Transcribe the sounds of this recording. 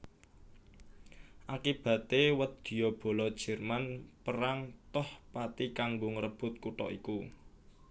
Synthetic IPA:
ʔakib̥ä̤t̪ewət̪̚d̪̥i̤jɔb̥o̤lɔd̥ʒ̥ɛ̤rmanpəɾaŋt̪ɔhpat̪ikaŋɡoŋəɾəb̥ʊ̤t̪̚kuʈɔ̰iku

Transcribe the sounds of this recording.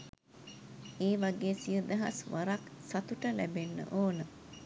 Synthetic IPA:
eːʋaɡeːsiəd̪əɦasʋaɾaksat̪uʈəlæbenːə̰ʔoːnə

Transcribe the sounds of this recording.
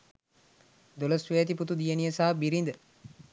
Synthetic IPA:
d̪oləsʋejːt̪̬iput̪ud̪ijənijəsaːbiɾind̪ə

